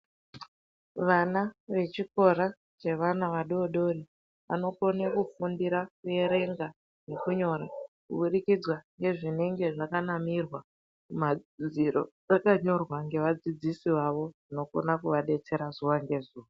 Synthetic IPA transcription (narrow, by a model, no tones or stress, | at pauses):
ʋanaʋe̞t͡ʃiko̞ɾa | t͡ʃe̞ʋanaʋaɗo̞ɗo̞ri | ʋa̰no̞ko̞nekufundiɾakuje̞ɾe̞ŋɡa | ne̞kuɲo̞ɾakuɓuɗikid͡zwaŋɡe̞ʐine̞ŋɡe̞ʐakanamirwa | umad͡ziɾo̞̰ | akaɲo̞rwaŋɡe̞ʋad͡zid͡zisiʋaʋo̞ʐino̞ko̰nakuʋaɗe̞t͡se̞ɾazuʋaŋɡe̞zuːʋa